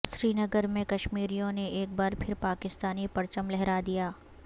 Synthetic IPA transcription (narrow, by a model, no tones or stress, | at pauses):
ʃɾiːnəɡəɾmẽkɐʃmiːɾijõneeːk̚baːɾpʰɪɾpaːkɪst̪aːnipɐɾt͡ʃəmlɛɦɾad̪ijaː